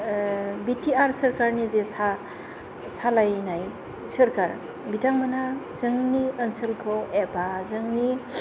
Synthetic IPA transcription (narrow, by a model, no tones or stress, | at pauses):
bitʰiaɾsəɾkaɾnizesa | salajnaj | səɾkaɾ | bitaŋmana | z̥ɯŋniənsəlkʰɔebazɯŋni